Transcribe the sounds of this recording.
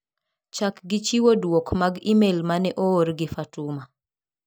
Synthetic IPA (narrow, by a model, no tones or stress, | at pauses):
t͡ʃakɡɪt͡ʃiwodwɔkmaɡimelmanɛʔooɾɡɪfatuma